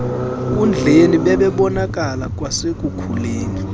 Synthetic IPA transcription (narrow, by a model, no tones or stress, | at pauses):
k̬ʼund͡ɮʱeniɓɛɓɛɓɔnak̬ʼalak̬ʼwasek̬ʼukʰuleːni